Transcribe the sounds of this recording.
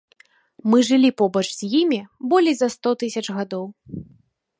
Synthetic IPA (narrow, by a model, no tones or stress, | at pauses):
mɨʐɨlʲipɔbɐt͡ʂz̥ʲjimʲibɔlʲɛjzɐst̪ɔt̪ɨsʲɐt͡ʂɣad̪ɔw